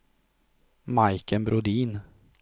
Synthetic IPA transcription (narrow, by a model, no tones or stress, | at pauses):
maɪkənbɾʊd̪iːn